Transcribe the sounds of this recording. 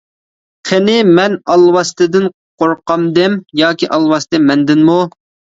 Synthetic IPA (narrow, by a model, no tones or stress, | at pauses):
χʰenɪmɛnɑlˠwɑst̪ɪd̪ɪn | qʰoɾqɑmd̪ɪmjɑːkʲiʔɑlˠwɑst̪ɪmɛnd̪ɪnmu